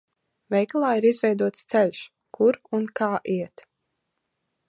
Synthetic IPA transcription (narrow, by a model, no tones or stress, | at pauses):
vɛjklˠaːiɾizvʲɛjd̪uɔt̪st̪sɛlʲʃ | kuɾunkaːʔiɛt̪